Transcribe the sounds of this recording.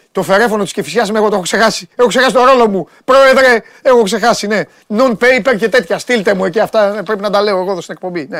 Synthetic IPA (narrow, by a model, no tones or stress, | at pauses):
t̪o̞fe̞ɾe̞fo̞not̪iscefisçɐzmeɣot̪oexokse̞xɐsi̥exo̞kse̞xɐsit̪oɾo̞lo̞mu | pɾo̞e̞ðɾe̞ | exo̞kse̞xɐsine̞ | nonpeipeɾçe̞t̪e̞t̪çɐst̪ilt̪emueciɐft̪ɐpɾepinɐd̪ɐle̞o̞eɣoðost̪inekpo̞mbine